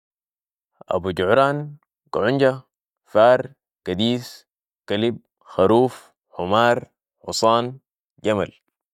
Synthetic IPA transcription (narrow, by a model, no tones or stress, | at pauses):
ʔa̰buɟuʕɾaːn | kʕuɲɟa | faːɾˤ | kad̪iːs | kalib̚ | xaɾuːf | ħumaːɾˤ | ħṵsˤɑːn | ɟama̰l